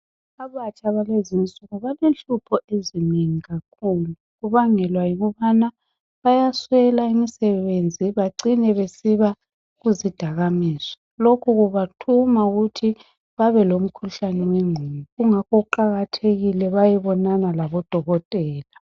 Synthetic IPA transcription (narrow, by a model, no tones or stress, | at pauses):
aβat͡ʃʼaβalezinsʼuɣuβalenɬupʰɔeziniŋiɣakʰuːluɣuβaŋɛlwajiɣuβana | βajaswɛlaimisɛβend͡zʱiβaǀinɛβesiβa | ɣuzid̥ʱaɣamisɔ̥ | lokʰuɣuβatʰumauɣutʰi | βaβɛlom̩kʰuɬanɛwɛŋ͡ǀʱumuɣuŋakouǃaɣatʰeɣilɛβajɛβɔnanalaβɔd̥ʱɔɣɔtʼɛːla